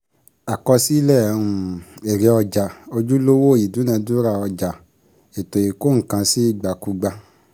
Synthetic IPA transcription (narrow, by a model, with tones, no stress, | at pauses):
a˨kɔ˧si˦i˦lɛ˦˨˧ũ˧e˨ɾe˨˧˦ɔ˧d͡ʒa˨o˧d͡ʒu˦lo˦wo˦˨i˨du˨˦nã˧du˦ɾa˦˨ɔ˧d͡ʒa˨ | e˨to˨je˨ko˦ŋ̩˨kã˧si˦i˦˨ɡ͡ba˨ku˨˦ɡ͡ba˧